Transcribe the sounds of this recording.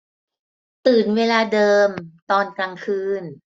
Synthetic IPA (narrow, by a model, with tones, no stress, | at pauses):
t̪ɯː˨˩nweː˧laː˧dɤː˧mt̪ɔː˧nka˧ŋkʰɯː˧n